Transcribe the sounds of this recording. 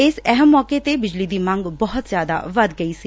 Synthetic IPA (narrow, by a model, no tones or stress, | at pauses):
ɪsɛɦəmːɔːket̪ebɪd͡ʒlid̪imɐ̃ŋɡbɔɦʊt̪zjaːd̪a̰ʋɐd̪ɡɐisi